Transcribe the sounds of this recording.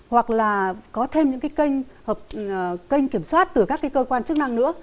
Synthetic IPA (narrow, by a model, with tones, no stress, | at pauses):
hwa˨˩k̚laː˨˩kɔ˨˦t̪ʰe˧mɲɨ̰˧˥ŋkaː˨˦jkə˧jŋhəː˨˩p̚kə˧jŋ̟ki˧˩əmswaː˦˥t̚t̪ɨ˨˩kaː˦˥ka˨˦jkəː˧kwaː˧nt͡ɕɨ˦˥ək̚na˧ŋnɨ̰˧˥ə